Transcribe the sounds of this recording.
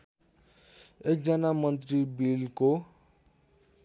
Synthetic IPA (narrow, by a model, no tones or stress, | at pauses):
ek̚d͡zʌnamʌnt̪̬ribilko